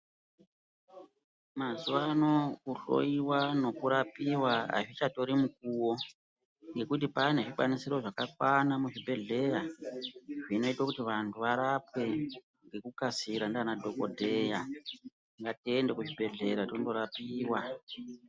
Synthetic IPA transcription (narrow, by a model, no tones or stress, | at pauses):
mazuʋano̞uɬo̰iwano̞kuɾapiwaa̰ʐit͡ʃato̞ɾimuk̚uwo̞ | ŋɡe̞kut̬ipane̞ʐiɓwanisiɾo̞ʐakakwanamuʐibʱe̞ɮe̞ja | ʐino̞itwakutiʋantʰuʋaɾapwe̞ | ŋɡe̞kukasiɾandanadʱo̞ko̰dʱe̞ja | ŋɡatiende̞kuʐibʱe̞ɮe̞ɾatondo̞ɾapiːwa